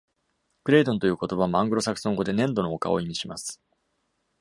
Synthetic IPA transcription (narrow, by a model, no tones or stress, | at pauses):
kɯ̟ɾe̞ːd̪õ̞nt̪ojɯ̟ːko̞t̪o̞baβmãŋɡɯ̟ɾo̞sakɯ̟̥sõ̞ŋɡo̞d̪e̞nẽ̞nd̪o̞nooka̰o̞imʲiɕimasɨ̥